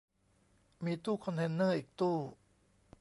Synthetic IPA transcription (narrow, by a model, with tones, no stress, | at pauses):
miː˧t̪uː˥˩kʰɔ˧nt̪ʰe˧nːɤː˥˩ʔiː˨˩k̚t̪uː˥˩